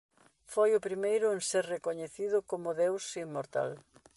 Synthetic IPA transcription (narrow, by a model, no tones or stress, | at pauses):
fojʊpɾimejɾʊenseɾrekoɲeθiðʊkomʊðewsimːoɾt̪a̰l